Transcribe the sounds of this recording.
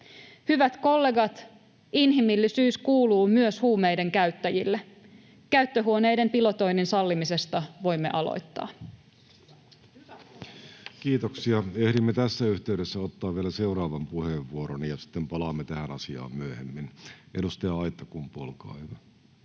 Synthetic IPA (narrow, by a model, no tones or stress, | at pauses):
hyʋæt̪ko̞lːe̞ɡɑt̪ | inɦimilːisyːskuːluːmyøshuːmejde̞ŋkæɥt̪ːæjilːe | kæyt̪ːøɦuone̞jde̞mpilo̞t̪o̞jninsɑlːimise̞st̪ɑʋo̞jmːe̞ʔɑlo̰jt̪ːɑ̰ː | kiːt̪oksiɑehɾimːet̪æsːæyht̪eyɾesːæot̪ːɑːʋʋielæseurɑːʋɑmpuheʋʋuoɾonijɑsi̥t̪ːempɑlɑːmːet̪æhænɑsiɑ̰ːmmyæhemːinʔedust̪eɑɑit̪ːɑkumpolkɑ̰ːeʋæ